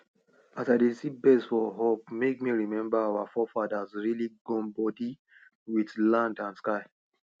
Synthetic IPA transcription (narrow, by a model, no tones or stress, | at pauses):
asaɪdesibɛsfɔɦop̚mek̚miɹimɛ̃mbaawafɔfadazɹiliɡɔ̃nbɔdi | widlãndãnskaɪ